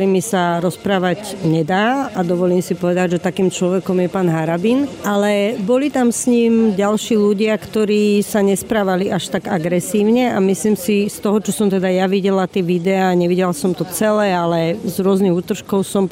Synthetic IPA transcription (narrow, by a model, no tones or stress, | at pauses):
ɾimisaɾɔspɾaːʋaɟɲɛd̪aːad̪ɔʋɔliːmsipɔʋɛd̪aɟʒɛt̪akiːmt͡ʃlɔʋɛkɔmjɛpaːnɦaɾabinʔalɛbɔlit̪amsɲiːmɟalʃiːʎuɟɪakt̪ɔɾiːsaɲɛspɾaːʋaliʔaʃt̪aɡaɡɾɛsiːʊɲɛamisliːmsist̪ɔɦɔt͡ʃɔsɔmt̪ɛd̪ajaʋiɟɛlat̪ɪɛʋid̪ɛaːɲɛʋiɟɛlasɔmt̪ɔt͡sɛlɛːalɛzɾʊɔzniɣuːt̪r̩ʃkɔʊsɔm